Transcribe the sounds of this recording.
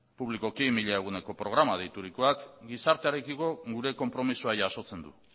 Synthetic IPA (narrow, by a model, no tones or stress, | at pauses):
puβliko̞kimiʎae̞ɣ̞une̞ko̞pɾo̞ɣ̞ɾamað̞ejt̪uɾikoakɡisaɾt̪eaɾe̞kiko̞ɣuɾe̞ko̞mpɾo̞misuajːso̞t͡se̞nd̪u